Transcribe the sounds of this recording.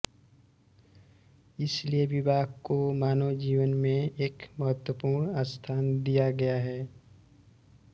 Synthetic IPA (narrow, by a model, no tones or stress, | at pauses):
ɪslieʋɪbʱaːɡkomaːnod͡ʒiːwənmẽeːkməɦət̪wəpuːɾnaːst̪ʰaːnd̪ijaɡɐjaɦɛː